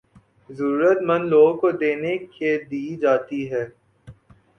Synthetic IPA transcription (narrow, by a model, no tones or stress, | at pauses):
zəɾuːɾət̪mɐ̃nloːɡõkod̪eːneked̪iːd͡ʒaːt̪iɦɛː